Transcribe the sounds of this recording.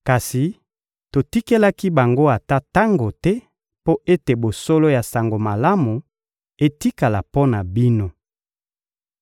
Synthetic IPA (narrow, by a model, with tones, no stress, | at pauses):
ka˨si˨ | to˨ti˦ke˦la˦ki˦ba˨ŋɡo˦a˨ta˦ta˦ŋɡo˨tɛ˦ | po˦ʔe˦te˨bo˨so˦lo˦ja˨sa˨ŋɡo˨ma˨la˦mu˨ | e˦ti˦ka˨la˨po˦na˨bi˦no˦